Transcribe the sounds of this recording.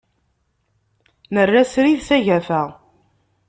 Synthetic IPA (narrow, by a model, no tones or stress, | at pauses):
nərːæsɾiðθæʝæfæʁ